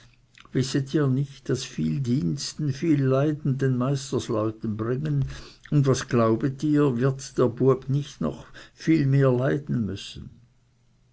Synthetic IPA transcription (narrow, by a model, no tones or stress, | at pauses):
vɪsətʰiːɐnɪçt̚d̥asfiːldiːnstn̩fiːlːaɪdn̩denmaɪstəslɔʏtən̩bʁɪŋənʊndvasɡ̥laʊbətiːɐvɪɐtd̥eːɐbʊɐbnɪçtnɔ̰χfiːlmeːɐlaɪdn̩mʏsn̩